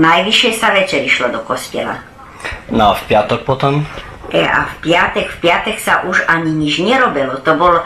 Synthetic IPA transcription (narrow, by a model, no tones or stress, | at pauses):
najʋiʃɛsaʋɛt͡ʃɛɾiʃlɔd̪ɔkɔscɛ̰la̰ | nɔafpɪat̪ɔk̚pɔt̪ɔm | ɛa̰fpɪat̪ɛkfpɪat̪ɛksaʔuʒaɲiɲid͡ʒɲɛɾɔbɛlɔt̪ɔbɔl